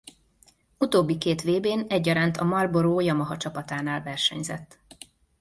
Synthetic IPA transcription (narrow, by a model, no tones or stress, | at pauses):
ut̪oːbːikeːt̪ʋeːbeːnɛɟːɒɾaːnt̪ʰɒmɒrboɾoːjɒmɒɦɒt͡ʃɒpɒt̪aːnaːlvɛrʃɛɲzɛ̰t̪ː